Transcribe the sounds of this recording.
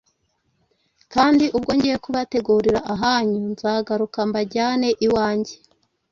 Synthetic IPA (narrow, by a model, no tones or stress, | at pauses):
kaːndiʔubɡo̞ːɲɟejekuβate̞ɡuɾiɾaʔaɦaɲunzaːɡaɾukambaɟaːne̞ʔiwaːɲɟe̞̥